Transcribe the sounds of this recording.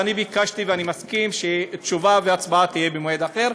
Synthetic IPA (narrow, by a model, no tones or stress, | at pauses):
anibikaʃt̪iveanimaskimʃet̪ʃuvaveat͡sbaat̪ijebemoed̪aχeʁ